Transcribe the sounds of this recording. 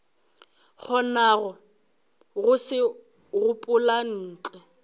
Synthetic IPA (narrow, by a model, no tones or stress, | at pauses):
χʰɔnaɣɔ | ɣʊsɪ | ɣʊpʼʊlan̩ːt͡ɬɛ